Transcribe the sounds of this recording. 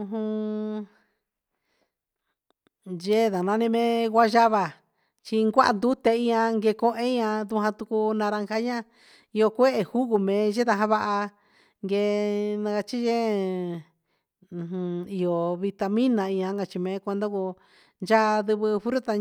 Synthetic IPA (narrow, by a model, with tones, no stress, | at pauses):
ũ˧ɦũ˧ | ʒe˦ða˨nã˧nĩ˧mẽ˦ɣʷa˦ʒa˦βa˧˨ | t͡ʃi˧ŋɡʷa˦ʔa̰˧nd̪u˦t̪e˧ĩ˧ã˧ŋɡe˧kõ˧˦ʔẽ˦ɲã˧ðu˧hã˧t̪u˧ku˧nã˧ɾa˧ŋka˧˦ɲã˦ | i˧o˧kʷe˦ʔe˧hu˦ɣu˧mẽ˨˧ʒe˦t̪a˧ɦã˧βa˧ʔa˧ | ŋɡe˧nã˧ka˧t͡ʃi˦ʒe˦˧ | ũ˧i˧o˨βi˧t̪a˧mĩ˦nã˧ĩ˧ã˧ŋ˦ɡa˧t͡ʃi˧mẽː˨˧˦kʷe˧nd̪o˦ku˧ | nd͡ʒa˦˧ðɨ˧βɨ˧fu˧˦ɾu˦t̪a˧